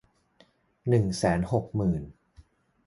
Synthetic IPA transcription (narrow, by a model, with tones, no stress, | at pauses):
nɯ˨˩ŋsɛː˩˦nho˨˩k̚mɯː˨˩n